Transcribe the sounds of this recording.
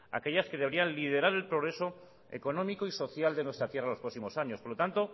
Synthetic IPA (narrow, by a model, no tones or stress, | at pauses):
a̰ke̞ʎaske̞ðeβ̞ɾianlið̞e̞ɾaɾe̞lpɾoɣɾe̞so | ḛko̞nõmikoiso̞θjald̪e̞nwest̪ɾat̪je̞ralo̞spɾo̞ksimo̞saɲo̞spo̞ɾlo̞t̪ant̪o̞